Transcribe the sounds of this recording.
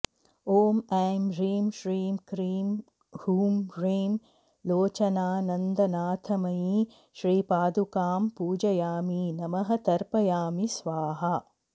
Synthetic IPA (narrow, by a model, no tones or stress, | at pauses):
oːmaːmɾiːmʃɾiːmkɾiːm | huːmɾiːm | loːt͡ʃɐnaːnɐnd̪ɐnaːt̪ʰɐmɐjiː | ʃɾiːpaːd̪ukaːmpuːd͡ʒɐjaːminɐmɐɦɐ̆t̪ɐɾpɐjaːmisʋaːɦɐ